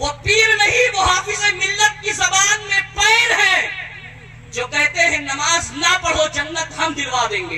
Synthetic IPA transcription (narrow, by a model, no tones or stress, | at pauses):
ʋoːpiːɾmeɦiʋoɦaːfɪsemɪlːət̪̚kisɐbaːnmẽpɛːɪɾɦɛ | d͡ʒoːkɛɦt̪eɦɛ̃nɐmaːznɐpɐɽ̤od͡ʒɐnːət̪ɦɐmd̪ɪlʋad̪ẽːŋɡeː